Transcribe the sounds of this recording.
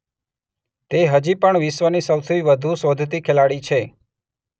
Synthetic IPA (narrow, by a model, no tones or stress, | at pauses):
t̪eɦəd͡ʒipəɳʋɪʃʋənisəwt̪ʰiʋəd̪ʱusod̪ʱt̪ikʰelaɽit͡ʃʰe